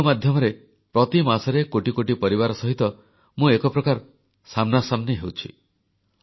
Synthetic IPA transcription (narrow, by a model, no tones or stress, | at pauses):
mad̪ʱjɔmɔɾe | pɾɔt̪imasɔɾekoʈikoʈipɔɾibaɾɔsɔɦit̪ɔ | mũekɔpɾɔkaɾ | samnasamneɦewt͡ʃʰḭ